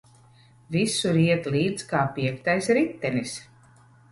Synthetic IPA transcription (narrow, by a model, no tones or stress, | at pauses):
visuɾiɛt̪liːd̪skaːpiɛkt̪ajsɾit̪ːɛnis